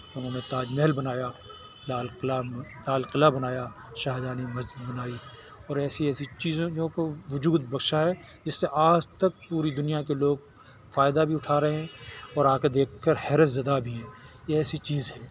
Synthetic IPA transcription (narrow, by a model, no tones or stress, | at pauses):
ʊnɦõːnet̪aːd͡ʒmɛɦlbɐnaːja | laːllalaːlqɪlabɐnaːjaʃaːɦed̪aːnimɐsd͡ʒɪd̪̚bɐnaːi | ɔːɾɛːsiɛːsit͡ʃiːzõõkoʋʊd͡ʒuːd̪̚bɐkʃaɦɛ | d͡ʒɪsːeʔaːd͡ʒt̪ɐk̚puːɾid̪ʊnijakeloːɡ̚ | faːjd̪abʱiʊʈʰaːɾɐɦeɦɛ̃ɔːɾaːked̪eːkʰːəɾhɛːɾəszɐd̪abʱiɦɛ̃ːjeɛːsit͡ʃiːzɦɛː